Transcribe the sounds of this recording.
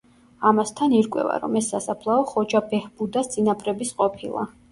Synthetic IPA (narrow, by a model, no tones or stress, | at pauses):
amast̪ʰaniɾkʼwɛ̰va̰ɾɔ̰mɛsːasapʰlˠaɔχɔd͡ʒabɛhb̥ud̪asd̪sʼinapʼɾɛbisqʼɔpʰilˠa̰